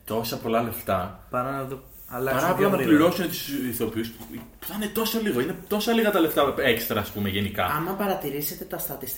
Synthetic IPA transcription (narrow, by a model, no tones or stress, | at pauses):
t̪o̞sɐpo̞lɐle̞ft̪ɐpɐnɐðo | ɐlɐɐɾɐlɐnɐpliɾo̞sunet̪u̥siθo̞piuspu̥θɐinet̪o̞sɐliɣo̞ine̞t̪o̞sɐliɣɐt̪ɐle̞ft̪ɐe̞kst̪ɾɐːspumeʝe̞nikɐ̰ɐmɐpɐɾɐt̪iɾiset̪e̞t̪ɐst̪ɐt̪ist̪